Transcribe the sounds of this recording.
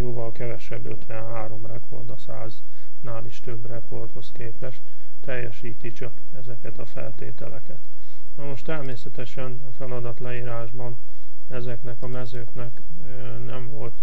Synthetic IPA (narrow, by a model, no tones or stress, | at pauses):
joːvɒlkɛvɛʃɛbːøt̪ʋɛnɦaːɾo̞mrɛkʰo̞̰rd̪ɒsa̰ːz | naːliʃt̪ø̞brɛko̞rt̪ho̞skeːpɛʃt̪ː | ɛjːɛʃiːt̪it͡ʃɒk | ɛzɛkɛt̪ɒfɛ̰lt̪ḛːt̪ɛ̰lɛkɛt̪ | nɒmo̞ʃt̪ɛrmeːsɛt̪ɛʃɛnɒfɛlɒd̪ɒt̪lɛiːɾaːʒbɒn | ɛzɛknɛkɒmɛzøːknɛk | nɛɱvo̞lt̪